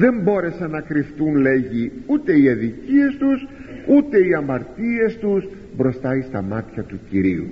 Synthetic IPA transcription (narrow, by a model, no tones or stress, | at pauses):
ðe̞mbo̞ɾe̞sɐnɐkɾift̪unle̞ʝiut̪e̞iɐðicie̞st̪usut̪e̞iɐmɐɾt̪ie̞st̪us | bɾo̞st̪ɐist̪ɐmɐt̪çɐt̪uciɾiṵ